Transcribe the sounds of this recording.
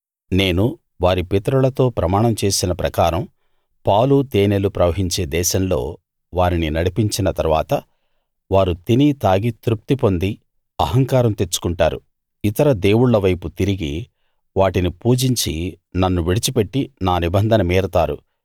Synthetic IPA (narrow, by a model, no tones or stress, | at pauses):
ne̞ːnu | ʋaːɾipet̪ɐɾulɐt̪o̞ːpɾɐmaːɳɐmt͡ʃe̞ːsinɐpɾɐkaːɾɐm | paːwlut̪eːnelupɾɐʋɐɦiɲt͡ʃe̞ːd̪ɛːʃɐmlo̞̰ː | ʋaːɾininɐɽipiɲt͡ʃinɐt̪ɐɾʋaːt̪ɐ | ʋaːɾut̪init̪aːɡit̪ɾup̚t̪ipo̞nd̪i | ɐɦɐŋkaːɾɐmt̪e̞t͡ʃːu̥kuɳʈaːɾṵ | it̪ɐɾɐd̪e̞ːwuɽːɐʋɐjput̪iɾiɡi | ʋaːʈinipuːd͡ʒiɲt͡ʃi | nɐnːuʋiɽit͡ʃipe̞ʈːinaːnibɐnd̪ʱɐnɐmeːɾɐt̪aːɾṵ